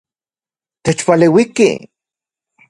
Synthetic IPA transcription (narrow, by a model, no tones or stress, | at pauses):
t̪et͡ʃpaleːwikḭ